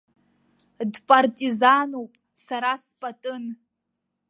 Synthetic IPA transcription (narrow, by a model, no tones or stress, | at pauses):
dpʼartʼizanowpʼ | saɾaspʼatʼɨn